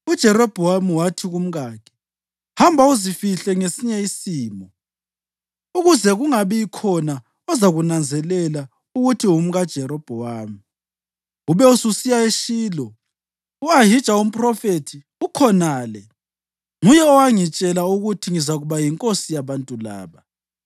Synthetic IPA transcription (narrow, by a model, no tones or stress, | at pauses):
ud̥ʒ̥ʱɛɾɔb̥ʱɔwamiwatʰiɣum̩ɣaːkʰɛ̥ | hambʱauzifiɬɛŋesiɲɛisiːmɔ | uɣuzɛɣuŋaβiikʰɔna | ɔzaɣunand͡zʱɛlɛla | uɣutʰium̩ɣad̥ʒ̥ʱɛɾɔb̥ʱɔwaːmi | uβɛususijaeʃiːlɔ | uaɦid̥t͡ʃʼaum̩pʼrɔfetʰi | ukʰɔnaːlɛ | ŋujɛɔwaŋit͡ʃʼɛlauɣutʰiŋizaɣuβajiŋkʼosijaβantʼula̰ːβa